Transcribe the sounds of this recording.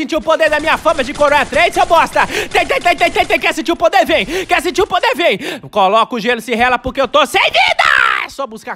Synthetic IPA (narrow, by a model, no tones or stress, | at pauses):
sĩnt͡ʃiʊpod̪eɾd̪ɐmĩɲɐfɐ̃mɐd͡ʒɪkoɾõɐt̪ɾesewbɔst̪ɐt̪ẽj̃t̪ẽt̪ẽj̃t̪ẽt̪ẽj̃t̪ẽj̃kɛɾsĩt͡ʃiɾʊpod̪eɾvĩj̃kɛɾsĩnt͡ʃiɾʊpod̪eɾvĩj̃kolɔkʊʒelʊsɪɦɛlɐpoɾkeewt̪osẽd͡ʒid̪ɐ̰ɛsɔbuska